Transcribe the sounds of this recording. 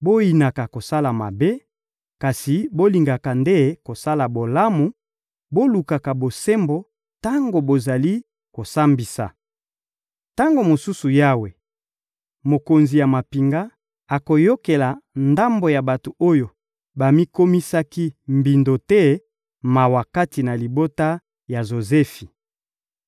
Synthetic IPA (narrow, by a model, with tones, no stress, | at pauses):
bo˦ji˨na˨ka˨ko˨sa˦la˨ma̰˨be˦ | ka˨si˨bo˦li˨ŋɡa˨ka˨nde˦ko˨sa˦la˨bo˨la˦mu˨ | bo˦lu˨ka˨ka˨bo˨se˦mbo˦ | ta˦ŋɡo˨bo˨za˨li˦ | ko˨sa˦mbi˨sa̰˨ | ta˦ŋɡo˨mo˨su˦su˨ja˦we˨ | mo˨ko˨nzi˨ja˨ma˨pi˨ŋɡa˦ | a˨ko˨jo˦ke˨la˨nda˦mbo˨ja˨ba˨to˨o˦jo˨ | ba˨mi˦ko˦mi˦sa˦ki˦mbi˨ndo˨tɛ˦ | ma˨wa˨ka˦ti˨na˨li˨bo˦ta˦ | ja˨ʒo˨zɛ˦fi˨